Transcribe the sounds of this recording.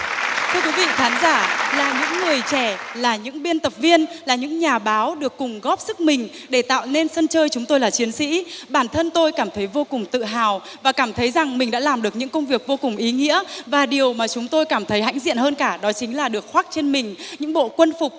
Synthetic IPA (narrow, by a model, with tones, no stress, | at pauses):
t̪ʰɨ˧əkwi˨˦vḭ˧˨kaː˨˦nzaː˧˩laː˨˩ɲɨ̰˧˥ŋːɨ˨˩əjt͡ɕɛ˧˩laː˨˩ɲɨ̰˧˥ŋɓi˧ənt̪ə˨˩p̚vi˧ənlaː˨˩ɲɨ̰˧˥ŋɲaː˨˩ɓaː˨˦wɗɨ˨˩əkːʊ˨˩ŋ͡mɣɔ˦˥p̚sɨ˦˥k̚mï˨˩ŋ̟ | ɗe˧˩t̪a̰ː˧˨wne˧nsə˧nt͡ɕəː˧jt͡ɕʊ˨˦ŋ͡mt̪o˧jlaː˨˩t͡ɕi˨˦ənsḭ˧˥ɓaː˧˩nt̪ʰə˧nt̪o˧jkaː˧˩mt̪ʰə˨˦jvo˧kʊ˨˩ŋ͡mt̪ɨ̰˧˨ɦaː˨w | vaː˨˩kaː˧˩mt̪ʰə˨˦jza˨˩ŋmï˨˩ŋ̟ɗa̰ː˧˥laː˨˩mɗɨ˨˩ək̚ɲɨ̰˧˥ŋkə˧wŋ͡mvi˨˩ək̚vo˧kʊ˨˩ŋ͡mʔi˨˦ŋḭ˧˥əvaː˨˩ɗi˨˩əwmaː˨˩t͡ɕʊ˨˦ŋ͡mt̪o˧jkaː˧˩mt̪ʰə˨˦jɦa̰˧˥jŋ̟zḭ˧˨ənhəː˧nkaː˧˩ɗɔ˨˦t͡ɕï˨˦ŋ̟laː˨˩ɗɨ˨˩ək̚xwa˦˥k̚t͡ɕe˧nmï˨˩ŋ̟ɲɨ̰˧˥ŋɓo̰˧˨kwə˧nfʊ˨˩k͡p̚